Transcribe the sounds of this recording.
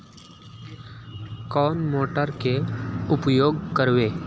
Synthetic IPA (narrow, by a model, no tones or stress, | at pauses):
kɔːnmoːʈəɾkeʊpjoːɡkəɾʋeː